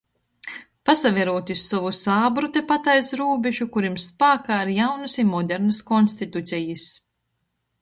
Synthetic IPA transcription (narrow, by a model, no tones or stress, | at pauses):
pasavʲɛɾuɔt̪iusːɔvusaːbɾut̪epat̪ajsɾuːbʲeʒukuɾimspaːkaːɾjawnɨsimɔd̪ɛɾnɐskɔnst̪it̪ut̪sʲɛjɨs